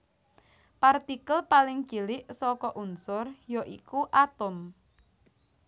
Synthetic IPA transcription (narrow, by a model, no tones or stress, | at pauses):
part̪ikəlpalɪŋt͡ʃi̤lɪʔsɔkɔʔunsʊrjoʔikuʔat̪ʊm